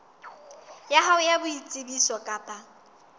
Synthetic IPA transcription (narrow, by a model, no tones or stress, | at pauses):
jaɦaʊjabʊit͡sʼɪbisɔkʼaːpʼa